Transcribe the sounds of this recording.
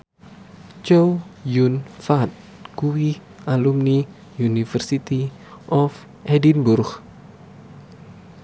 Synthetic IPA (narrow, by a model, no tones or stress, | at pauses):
t͡ʃojunfat̪̚ | kuwi | alumni | junifɛrsit̪i | ʔɔf | ʔɛdinburx